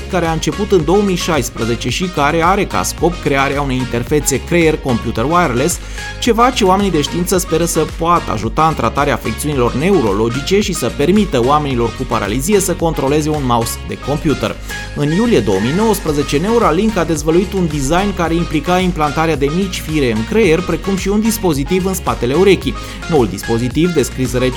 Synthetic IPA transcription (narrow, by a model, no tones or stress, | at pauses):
kaɾeaɨnt͡ʃe̞put̪ɨnd̪o̞əmijʃajspɾəze̞t͡ʃe̞ʃikaɾe̞aɾe̞ka̰sko̞pkɾe̞aɾeaunejint̪e̞rfe̞t̪siekɾeerko̞mpjut̪ərwaerles | t͡ʃe̞vat͡ʃe̞oame̞nid̪e̞ʃt̪iint̪səspe̞ɾəsəpoat̪ə̰a̰ʒut̪aɨnt̪ɾʔa̰t̪aɾeafek̚t̪siunilo̞rne̞uɾo̞̰lo̞d͡ʒit͡ʃe̞ʃisəpe̞rmit̪əowame̞nilo̞rkupaɾa̰lizije̞səko̞nt̪ɾo̞le̞ze̞unmausd̪e̞̰ko̞mpjut̪ə̰r | ɨnjulije̞d̪o̞wəmijno̞wəspɾəze̞t͡ʃe̞ne̞uɾaliŋkad̪e̞zvəluit̪und̪izajnkaɾe̞implikaimplant̪aɾead̪e̞mit͡ʃʲfiɾe̞ɨŋkɾejerʲpɾe̞kumʃiund̪ispo̞zit̪ivɨnspat̪e̞le̞uɾe̞kʲi | no̞uld̪ispo̞zit̪ivd̪e̞skɾisɾe